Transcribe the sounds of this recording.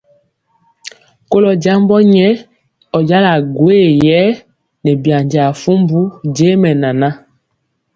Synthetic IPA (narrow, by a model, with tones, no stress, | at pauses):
ko˦lɔ˨d͡ʒa˦mbɔ˦ɲɛ˦ | ɔ˨d͡ʒa˦la˨ɡwe˦jɛ˦ | nɛ˨bja˨ɲd͡ʒa˨fu˦mbu˦d͡ʒe˦mɛ˨na˨na˦